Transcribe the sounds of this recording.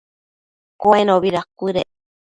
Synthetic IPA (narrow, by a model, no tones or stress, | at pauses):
koenoβiɾakʷiɾe